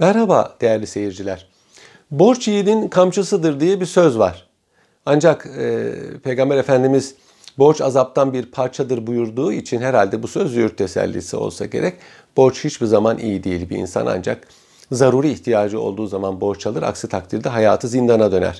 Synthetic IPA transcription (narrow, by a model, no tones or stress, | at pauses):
mæɾhaba̰ːd̪̥e̞jæɾlʲise̞jiɾd͡ʒilʲæɾ̥ | bo̞ɾt͡ʃijininkʰamt͡ʃʰasɯd̪ɯɾd̪ijɛbisøzvaɾ̥ | and͡ʒakɛpʰe̞jɡambæɾe̞fænd̪imiz̥ | bo̞ɾt͡ʃazap̚t̪ʰanbiɾpʰaɾt͡ʃʰad̪ɯɾbujuɾd̪uːit͡ʃʰinɦɛɾalʲd̪ɛbusøzyɾt̪ʰːe̞sæ̰lʲːḭsio̞̰lˠsa̰ɟeɾʔɛc | b̥o̞ɾt͡ʃhit͡ʃbizamanʔḭjid̪ejilʲbiḭnsa̰na̰nd͡ʒa̰k̚ | zaɾuːɾɯiçt̪ʰijaːd͡ʒɯo̞̰lˠd̪uːzamanbo̞ɾt͡ʃʰalˠɯɾa̰ksɯt̪ʰak̚t̪ʰiɾd̪ɛɦajaːt̪ʰɯzind̪anad̪ø̞næ̰ɾ̥